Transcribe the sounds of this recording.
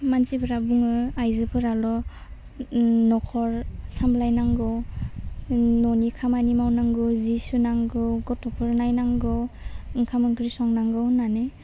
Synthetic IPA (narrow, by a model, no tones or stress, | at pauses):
mansipʰɯɾabuŋɯajzɯpʰɯɾalɔ | nɔkʰɔɾsamblajnaŋɡɔw | nɔnikʰamanimawnaŋɡɔzisunaŋɡɔɡɔtɔpʰɯɾnajnaŋɡɔɯŋkʰamɯnkɾisɔŋnaŋɡɯnane